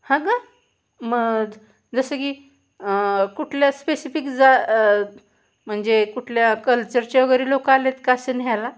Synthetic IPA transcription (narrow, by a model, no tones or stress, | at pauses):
hãɡa | məɡ | d͡zəsəki | kuʈʰljaspesifikd͡za | m̤əɳd͡zekuʈʰljakəlt͡ɕəɾt͡ɕaəɡəɾiːlokaalet̪kasənɦala